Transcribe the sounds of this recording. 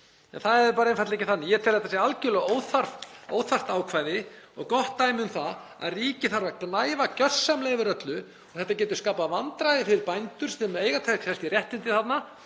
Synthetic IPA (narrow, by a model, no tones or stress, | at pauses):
ɛ̰nθaðɛɾɾpaːɾaẽnfat̪lejcɪθanːɪjɛt̪ʰɛːɾ̥θɛt̪asjɛalcɪlɛɣoːwθaro̰ːwθar̥t̪aːwkʰvaːjðɪ | ɔ̰ɣkɔht̪ːajmɪʏmθa | a̰ðriːcɪθaɾvaknaːjvacœr̥sːamleːjvʏɾœt̪lʏ | ɔɣθɛht̪ːacɛːt̪̬ʏ̥skaːpavant̪ɾajðɪfɪɾɪɾpajnt̪ʏɾ̥st̪ɛmeːjɣat̪ʰak̪hɛst̪ɪrjɛht̪ɪnt̪ɪθat̪na